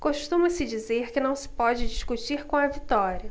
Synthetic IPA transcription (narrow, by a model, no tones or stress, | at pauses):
koʃt̪ũmɐsɪd͡ʒizeɾkɪnɐ̃w̃sɪ̥pɔd͡ʒɪd͡ʒiʃkut͡ʃiɾkõw̃ɐvit̪ɔɾiɐ